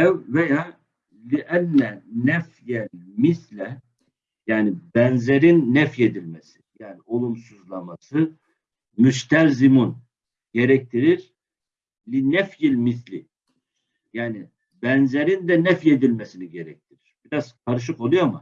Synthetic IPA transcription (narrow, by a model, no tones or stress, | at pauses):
ɛvvejaː | lʲiʔælʲːɛnɛfjælmislʲɛ | jaːnibænzeɾinːɛfje̞d̪ilʲmesi̥jaːniʔo̞lˠumsuzlˠamasɯ | myʃt̪ʰælʲzimun | ɟe̞ɾɛc̚t̪ʰiɾiɾ̥ | lʲinɛfjilʲmiθlʲḭ | jaːni | bænzeɾind̪ɛnɛfjed̪ilʲmesiniɟeɾɛc̚t̪ʰiɾiɾ̥b̥iɾaz̥kʰaɾɯʃ̬ɯko̞lˠujoma